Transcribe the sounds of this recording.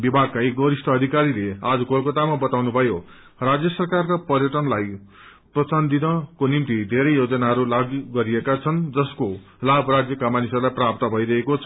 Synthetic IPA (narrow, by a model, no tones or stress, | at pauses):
bibʱaɡ̚kaek̚ɡʌɾisʈʰʌːd̪ʱikaɾilead͡zukolkʌt̪amabʌt̪awnubʱʌjo | rad͡zjʌsʌrkarkapʌrjʌʈʌnlaj | prʌt͡sand̪inʌkonimt̪id̪ʱeɾʌjjod͡zʌnaɦʌɾulaɡɡʌɾiekat͡sʰʌnd͡zʌsko | labʱrad͡zjʌkamanisʌrlajprap̚t̪ʌbʱʌijɾʌɦekot͡sʰʌ